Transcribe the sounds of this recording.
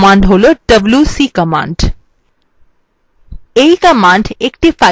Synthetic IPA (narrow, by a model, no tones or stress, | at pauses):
mãɳɖɦoloɖəblusikəmã̰ɳɖ | eikəmãɳɖekʈifa